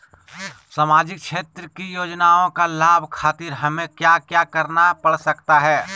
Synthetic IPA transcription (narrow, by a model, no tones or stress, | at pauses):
samaːd͡ʒɪk̚ʃeːt̪ɾəkijoːd͡ʒnaːõkalaːbʱkʰaːt̪ɪɾɦɐmẽkjaːkjaːkɐɾnapɐɽsɐkt̪aɦɛː